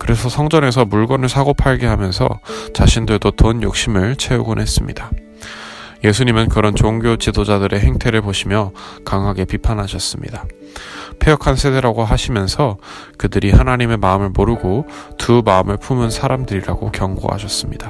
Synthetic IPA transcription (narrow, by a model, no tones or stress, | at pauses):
kɯɾe̞sʰʌsʰʌŋd͡ʑʌŋe̞s̬ʰʌmuɭɡʌnɯɭsʰaɡopʰaɭɡeɦamjʌnsʰʌ̰t͡ɕaɕʰindɯɭdotonjo̰k̚ɕ͈imɯɭt͡ɕʰe̞uɡunɦe̞s͈ɯmɲida | je̞sʰuɲimɯnkɯɾʌnt͡ɕoŋɡjot͡ɕidod͡ʑadɯɾʔe̞ɦe̞ŋtʰe̞ɾɯɭpoɕʰimjʌkaŋɦaɡe̞pipʰanɦaɕʰʌs͈ɯmɲḭda | pʰejʌkʰansʰe̞de̞ɾaɡoɦaɕʰimjʌnsʰʌ | kɯdɯɾihanaɲime̞maɯmɯɭmoɾɯɡotʰumaɯmɯɭpʰumɯnsʰaɾamdɯɾiɾaɡo̰kjʌŋɡo̰ɦa̰ɕʰʌs͈ɯmɲid̥a